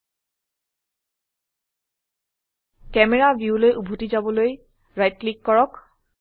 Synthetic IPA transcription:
kɛmɛɹabjulojʔubʱutizabɔloj | ɹajt̚klikːɔɹɔk

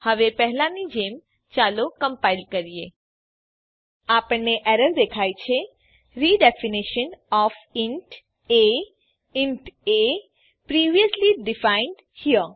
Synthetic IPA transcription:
həʋepɛɦlãnid͡ʒem | t͡ʃaːlokəmpaɪlɖkəɾije | aːpəɳneʔɛɾəɾd̪ekʰajt͡ʃʰe | ɾiɖɛfiniʃənɔfɪɳʈ | e | ɪɳʈe | pɾiːʋijəsliɖɪfaɪnɖ | hiə

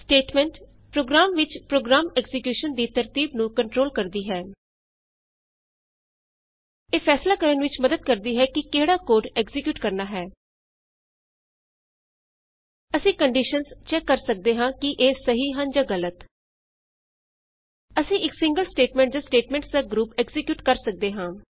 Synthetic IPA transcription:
sʈeːʈmɛ̃ːɳʈ | pɾoːɡɾaːmʋɪt͡ʃpɾoːɡɾaːmɛɡzɪkjuːʃənd̪iːt̪əɾt̪iːbnũːkəɳʈɾoːlkəɾd̪iːɦɛː | eːpʰɛːslaːkəɾənʋɪt͡ʃməd̪əd̪̚kəɾd̪iːɦɛːkɪkeːɽaːkoːɾɖɛːɡzɪkjuːʈkəɾnaːɦɛː | əsĩːkəɳɖiːʃənst͡ʃɛːkːəɾsək̚d̪eːɦãːkɪʔeːsəɦiːɦənd͡ʒaːɡələt̪ | əsĩːɪksɪ̃ŋɡəlsʈeːʈmɛ̃ːɳʈd̪aːsʈeːʈmɛ̃ːɳʈsd̪aːɡɾuːpɛːɡzɪkjuːʈkəɾsək̚d̪eːɦãː

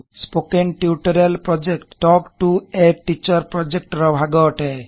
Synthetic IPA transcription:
spokenʈiuʈɔɾelpɾɔd͡ʒekʈːɔkʈueʈit͡ʃɔɾpɾɔd͡ʒek̚ʈɾɔbʱaɡɔʈɛ

